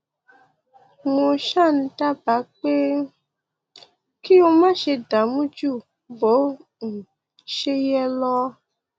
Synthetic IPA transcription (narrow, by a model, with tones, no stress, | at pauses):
mũ˨ʃa˦˨n̩˨ta˦ba˨˦k͡pe˦ | ki˦wo˧mã˦ʃe˧da˨mũ˦d͡ʒu˦˨ | bo˨˦ | ŋ̩˨ | ʃe˦jɛ˦lɔ˦